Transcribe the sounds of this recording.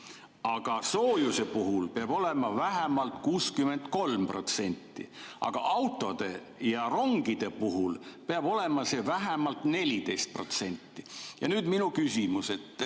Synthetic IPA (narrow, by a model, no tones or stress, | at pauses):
ɑɡ̥ɑsoːjuse̞puɦulpeɑb̥o̞le̞mɑvæɦemɑlt̪kuːskyment̪ko̞lmpro̞t̪se̞nʲt̪ˑːḭʔɑ̰ɡ̥ɑ̰ʔɑwt̪ːˑo̞d̪̥e̞ | jɑro̞ŋɡ̥id̪̥e̞puɦulpeɑb̥o̞le̞mɑse̞væɦemɑlt̪ne̞lʲid̪̥e̞jst̪̚pro̞̰t̪se̞nʲt̪ːijɑ̰nyːd̪minukysimuse̞t̪ːˑ